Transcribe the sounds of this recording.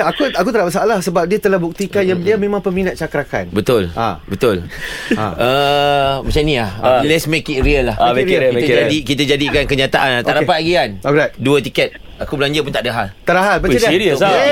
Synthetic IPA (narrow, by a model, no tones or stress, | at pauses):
akuakut̪əlaʔpasaʔlahsəbap̚diat̪əlahbuk̚t̪ikanjadiamẽmãŋpəminat̪̚t͡ʃakɾaka̰nbət̪ʊla̰bət̪ʊl | a̰ə | mat͡ʃamnĩahlɛsmekiʔɾiəlːahekit̪d͡ʒadikit̪ad͡ʒadikankəɲãt̪aʔanat̪aɾapat̪̚ɡianokɾat̪̚duət̪ikɛt̪̚ | akubəlaɲd͡ʒapunt̪aʔdaɦalt̪aʔdaɦalbət͡ʃadiiɾiə